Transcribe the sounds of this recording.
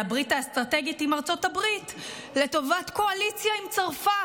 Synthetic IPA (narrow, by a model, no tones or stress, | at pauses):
abʁitast̪ʁate̞ɡitimaʁt͡so̞tabʁit | le̞to̞vatko̞alit͡sjaimt͡saʁfa